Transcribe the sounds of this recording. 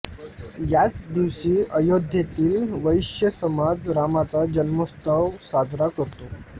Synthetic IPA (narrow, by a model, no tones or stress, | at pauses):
jat͡sd̪iʋɕiːʔəjod̪ʱjet̪iːlʋəjɕjəsəmad͡zɾamat͡sad͡ʑənməst̪aʋsad̪ʱɾakəɾt̪o